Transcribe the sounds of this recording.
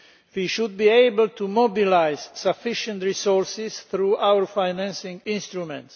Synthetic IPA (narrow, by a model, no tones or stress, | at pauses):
wiʃud̪̚biːeɪbl̩t̪umɔbilajz̥safɪʃə̃nt̪ɹisɔɹsɪsθɾuʔawəɹfajnæ̃nsɪ̃ŋɪ̃nst̪ɹumɛ̃nts